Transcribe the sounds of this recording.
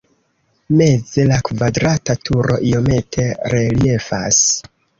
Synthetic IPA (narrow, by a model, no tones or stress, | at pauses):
me̞d͡ze̞lakvadɾatatʰuɾo̞̰ʔijo̞me̞tʰe̞ɾe̞lie̞fa̰s